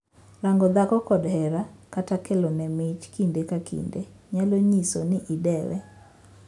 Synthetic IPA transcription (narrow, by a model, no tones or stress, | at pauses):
ɾaŋɡɔd̪akɔkɔdhɛɾakatakelɔnɛmɪt͡ʃkindekakʰḭndeɲaloɲiso̰nɪʔidɛwɛ̰